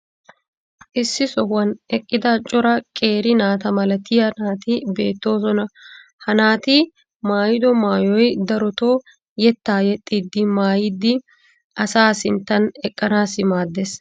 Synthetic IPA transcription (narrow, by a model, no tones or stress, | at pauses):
ʔɪsːɪsɔhwɐnʔɛkʼːɪd̪ɐt͡ʃʼɔɾɐkʼe̞ːɾɪnaːt̪ɐmɐlɐt̪ɪjɐnaːt̪ɪbe̞̰ːt̪ːo̞ːsɔnɐ | hɐnaːt̪ɪ | maːjɪd̪ɔmaːjɔjd̪ɐɾɔt̪oː | jɛt̪ːaːjɛt̪ʼːiːd̪ːɪmaːjɪd̪ːɪ | ʔɐsaːsɪnt̪ːɐnɛkʼːɐnaːsɪmaːd̪ːes